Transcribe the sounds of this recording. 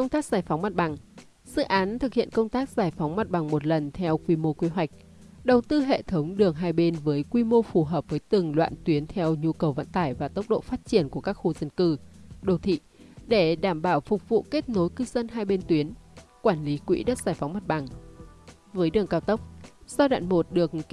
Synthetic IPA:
kə˧wŋ͡mt̪aː˦˥k̚zaː˧˩jfa˨˦wŋ͡mma˨˩t̚ɓa˨˩ŋ | z̥ɨ̰˧˨ʔaː˨˦nt̪ʰɨ˨˩k̚hḭ˧˨ənkə˧wŋ͡mt̪aː˦˥k̚z̥aː˧˩jfa˨˦wŋ͡mma˨˩t̚ɓa˨˩ŋmo˨˩t̚lə˨˩nt̪ʰɛ˧wkwi˧mo˧kwi˨˦ɦwa˨˩jk̟̚ | ɗə˨˩wt̪ɨ˧ɦḛ˧˨t̪ʰə˨˦wŋ͡mɗɨ˨˩əŋɦaː˧jɓe˧nvəː˨˦jkwi˧mo˧fu˨˩ɦəː˨˩p̚vəː˨˦jt̪ɨ˨˩ŋlwa̰ː˧˨nt̪wi˨˦ənt̪ʰɛ˧wɲu˧kə˨˩wvə̰˧˨nt̪aː˧˩jvaː˨˩t̪ə˦˥wk͡p̚ɗo̰˧˨faː˦˥t̚t͡ɕi˧˩ənku˧˩əkaː˦˥k̚xu˧zə˧˩nkɨ˧ɗo˨˩t̪ʰḭ˧˨ɗe˧˩ɗaː˧˩mɓaː˧˩wfʊ˨˩k͡p̚vṵ˧˨ke˦˥t̚no˨˦jkɨ˧zə˧nɦaː˧jɓe˧nt̪wi˨˦ənkwaː˧˩nli˨˦kwḭ˧˥ɗə˦˥t̚zaː˧˩jfa˨˦wŋ͡mma˨˩t̚ɓa˨˩ŋ | vəː˨˦jɗɨ˨˩əŋkaː˧wt̪ə˦˥wk͡p̚sa˧wɗa̰ː˧˨nmo˨˩t̚ɗɨ˨˩ək̚

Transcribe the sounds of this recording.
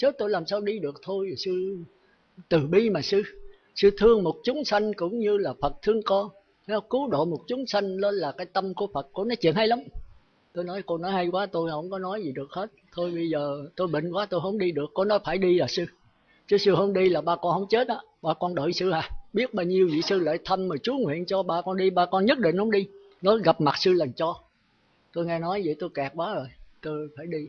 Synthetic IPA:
t͡ɕe˦˥t̚t̪o˧jlaː˨˩msaː˧wɗi˧ɗɨ˨˩ək̚t̪ʰo˧jsɨ˧ | t̪ɨ˨˩ɓi˧maː˨˩sɨ˧ | sɨ˧t̪ʰɨ˧əŋmo˨˩t̚t͡ɕʊ˨˦ŋ͡msa˧jŋ̟kʊ̰˧˥wŋ͡mɲɨ˧laː˨˩fə˨˩t̚t̪ʰɨ˧əŋkɔ˧ | nɔ˨˧˦kɨ˨˦ɗo̰˧˨mo˨˩t̚t͡ɕʊ˨˦ŋ͡msa˧jŋ̟le˧nlaː˨˩kaː˨˦jt̪ə˧mku˧˩əfə˨˩t̚ku˧˦nɔ˨˦t͡ɕḭ˧˨ənha˧jla˨˦ŋ͡m | t̪o˧jnɔ˨˦jko˧nɔ˨˦jha˧jkwaː˨˦t̪o˧jhə̰˧˩wŋ͡mkɔ˨˦nɔ˨˦jzi˨˩ɗɨ˨˩ək̚he˦˥t̚t̪ʰo˧jɓə˧jzəː˨˩t̪o˧jɓḭ̈˧˨ŋ̟kwaː˨˦t̪o˧jɦə˧˩wŋ͡mɗi˧ɗɨ˨˩əkːo˨˧˦nɔ˨˦jfaː˧˩jɗi˧laː˨˩sɨ˧ | t͡ɕɨ˨˦sɨ˧hɦə̰˧˩wŋ͡mɗi˧laː˨˩ɓaː˧kɔ˧nhə̰˧˩wŋ͡mt͡ɕe˦˥t̚ʔaː˨˦ɓaː˧kɔ˧nɗə̰ː˧˨jsɨ˧haː˨˩ɓi˦˥ət̚ɓaː˧wɲi˧əwvḭ˧˨sɨ˧lḛ˧˥˦t̪ʰə˧mːəː˨˩t͡ɕu˨˦ŋwḭ˧˨ənt͡ɕɔ˧ɓaː˧kɔ˧nɗi˧ɓaː˧kɔ˧nɲə˦˥t̚ɗḭ˧˨ŋ̟hə˧˦ŋ͡mɗi˧ | nɔ˨˦ɣa˨˩p̚ma˨˩sɨ˧lə˨˩ŋt͡ɕɔ˧ | t̪o˧jŋɛ˧nɔ˨˦jzḭ˨jt̪o˧jka˨˩k̚kwaː˨˦zo˨˩jt̪o˧jfaː˧˩jɗi˧

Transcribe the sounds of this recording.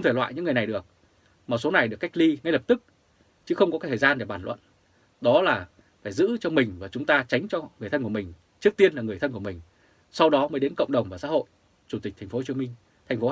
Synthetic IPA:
xə˧wŋ͡m̪tʰe˧˩lwa̰ː˧˨ɲɨ̰˧˥ŋːɨ˨˩əjna˨˩jɗɨ˨˩ək̚ | maː˨˩so˨˦na˨˩jɗɨ˨˩əkːa˦˥jk̟̚li˧ŋa˧jlə˨˩p̚t̪ɨ˦˥k̚ | t͡ɕɨ˨˦xə˧wŋ͡mkɔ˨˦kaː˨˦jt̪ʰəː˨˩zaː˧nɗe˨˩ɓaː˧˩nlwə̰˧˨n | ɗɔ˨˦laː˨˩ | faː˧˩jzɨ̰˧˥t͡ɕɔ˧mï˨˩ŋ̟vaː˨˩t͡ɕʊ˨˦ŋ͡mt̪aː˧t͡ɕa˨˦jŋ̟t͡ɕɔ˧ŋɨ˨˩əjt̪ʰə˧nku˧˩mï˨˩ŋ̟ | t͡ɕɨ˦˥ək̚t̪i˧ənlaː˨˩ŋɨ˨˩t̪ʰə˧nku˧˩mï˨˩ŋ̟ | sa˧wɗɔ˨˦məː˨˦jɗe˨˦nkə̰˧˨wŋ͡mɗə˨˩wŋ͡mvaː˨˩sa̰ː˧˥ho̰˧˨j | t͡ɕu˧˩t̪i˨˩t̪ʰŋ̟fo˨˦o˨˩t͡ɕi˧˦mï˧ŋ̟ | t̪ʰɛ˨˩j̟fo˨˦

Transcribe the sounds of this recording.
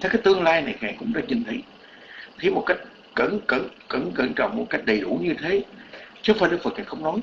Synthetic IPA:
t̪ʰe˨˦kaː˨˦jt̪ɨ˧əŋlaː˧jna˨˩jka̰˨˩ŋkʊ̰˧˥ŋ͡mɗa̰ː˧˦˥ɲɨ̰˨˩nt̪ʰi˨˦j | xi˧mo˨˩t̚ka˦˥jk̟̚ | kə˧˩nkə˧˩nkə˧˩nkə˧˩nt͡ɕə̰˧˨wŋ͡mmo˨˩t̚ka˦˥jk̟̚ɗə˨˩jɗu˧˩ɲɨ˧t̪ʰe˨˦t͡ɕɨː˨˦faː˧jɗɨ˦˥k̚fə˨˩kaː˨˩ŋxə˧wŋ͡mnɔ˨˦j

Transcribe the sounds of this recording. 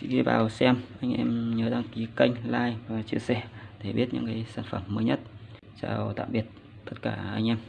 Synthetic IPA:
t͡ɕḭ˧˥ɣi˧vaː˨˩wsɛ˧mʔa˧jŋ̟ʔɛ˧mɲəː˨˦ɗaː˧ŋki˨˦ka˧jŋ̟laː˧jvaː˨˩t͡ɕɨ˧əsɛ˧˩t̪ʰe˧˩ɓi˦˥ət̚ɲɨ̰˧˥ŋkaː˨˦jsaː˧˩nfə˧˩mːəː˨˦jɲə˦˥t̚ | t͡ɕaː˧˩wt̪a̰ː˧˨mɓi˨˩ət̚ | t̪ə˦˥t̚kaː˧˩ʔa˧jŋʔɛ˧m

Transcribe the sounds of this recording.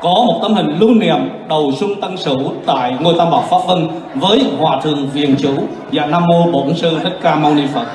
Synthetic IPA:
kɔ˨˦mo˨˩t̚t̪ə˨˧˥mhï˨˩ŋ̟lu˧nḭ˨˧˨əmɗə˨˩wsʊ˧ŋ͡mt̪ə˧ŋsɨ˧˩˥wt̪a̰ː˧˨jŋo˧˩jt̪aː˧mɓaː˧˩wfaː˦˥p̚və˧n | vəː˨˦jhwaː˨˩t̪ʰɨ˨˩əŋvḭ˧˨ənt͡ɕu˧˥ | zaː˧˩naː˧mːo˧ɓo˧˩˨ə˨˦ŋsɨ˧ɗə˦˥t̚kaː˧ma˧wni˧fə˨˩t̚

